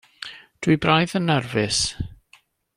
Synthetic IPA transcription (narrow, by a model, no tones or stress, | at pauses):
d̥wibrajðənːɛrvɪs